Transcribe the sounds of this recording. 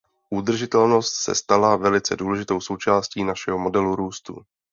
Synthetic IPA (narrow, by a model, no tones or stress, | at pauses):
ʔud̪r̩ʒɪt̪ɛlno̞st̪sɛ̰st̪alavɛlɪt͡sɛduːlɛʒɪt̪o̞wso̞wt͡ʃaːsciːnaʃɛɦomo̞dɛluɾuːst̪ṵ